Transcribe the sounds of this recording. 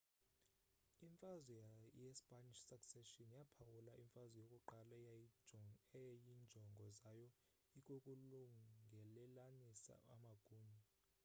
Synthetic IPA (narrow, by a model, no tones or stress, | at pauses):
iɱfazwɛjɛspʼaniʃsaksɛʃɔnjapʰawulaʔiɱfazwɛjokʼuǃala | ɛjind͡ʒʱɔŋɡʱɔzajɔ | ikʼokʼuluŋɡʱɛlɛlanisa̰a̰maɡ̥ʱuːɲa